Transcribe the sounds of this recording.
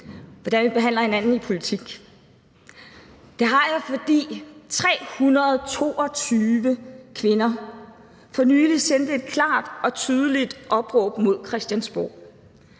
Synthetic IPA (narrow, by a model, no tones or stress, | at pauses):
ʋɒd̥ænʋib̥e̝ɦæn̰lɐhe̝nænn̩ipʰo̝lit͡sʰiɡ̥ | d̥eɦɑ̈jäɪfɒ̽d̥ḭːt͡sʰʁɛ̰ːhunʁɐðˠt͡sʰo̝̰ːɒ̽t͡sʰyːʋəkʰʋe̝nɐ | fɒ̽nyːlisen̰d̥e̝d̥̚kʰlɑ̈ːd̥ɒ̽t͡sʰyːð̞ˠəlid̥ʔɒ̽b̥ʁɔ̽ːb̥mo̝ð̞̰ˠkʰʁɛsd̥jænsb̥o̰ː